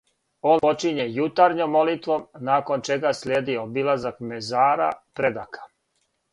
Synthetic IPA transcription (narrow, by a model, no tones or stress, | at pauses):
o̞ːnpo̞t͡ʃiɲejut̪aɾɲomːo̞lit̪ʋo̞mnaːko̞nt͡ʃe̞ɡasʎʲeːd̪iobilˠazakmezaːɾa̰pɾed̪akʰḁ